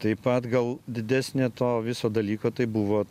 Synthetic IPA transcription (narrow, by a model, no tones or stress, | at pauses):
t̪ɐɪpɐt̪ɡɐlˠd̪ʲɪd̪ʲæːsʲnʲet̪oːʋʲɪsoːd̪ɐlʲiːkoːt̪ɐɪbuʋoː